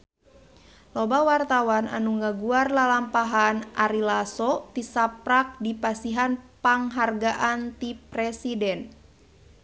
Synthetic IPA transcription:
lɔbawart̪awana̰nuŋaɡuarlalampaɦanʔaɾilasɔt̪isapɾak̚dipasiɦanpaŋɦarɡaʔant̪iprɛsidɛn

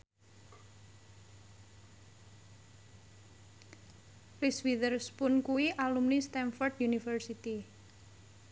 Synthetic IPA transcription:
riswiðərspʊnkuiʔalumnist̪ɛnfɔrd̪junifərsit̪i

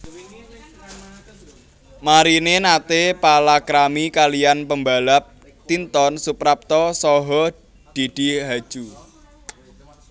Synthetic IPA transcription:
maɾinenat̪epalakɾamikalijanpəmbalap̚ | t̪int̪ɔnsupɾap̚t̪ɔsɔɦɔ | d̪̥id̪̥i̤ɦḁʒ̥u

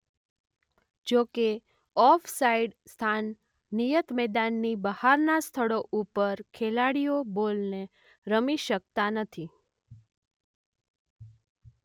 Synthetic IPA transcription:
d͡ʒoke | ɔfʰsaiɖst̪ʰanː | ijət̪mɛd̪anːibəhaɾnast̪ʰəɭoʔupəɾkʰelaɽijobolne | ɾəmiʃək̚t̪anət̪ʰi

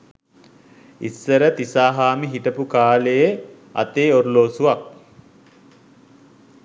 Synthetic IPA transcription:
ḭsːəɾət̪isaːɦaːmiɦiʈəpukaːləjə | a̰t̪eːoɾuloːsuʋak̚

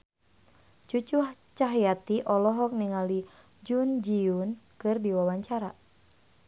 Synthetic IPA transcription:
t͡ʃut͡ʃuht͡ʃaɦjat̪iʔɔlɔɦɔk̚niŋali | d͡ʒund͡ʒiunkɨrdiwawaɲt͡ʃaɾa

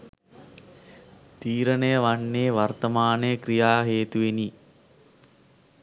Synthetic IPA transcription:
t̪iːɾənəjəʋaɳːeːʋart̪ɐmaːnəjəkɾijaːɦeːt̪uʋeni

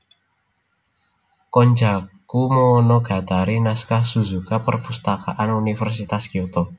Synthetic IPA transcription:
kɔnd͡ʒakumonɔɡ̥ä̤t̪aɾinaskahsuzukapərpust̪aka̰ʔanunifərs̬it̪askiot̪ɔ

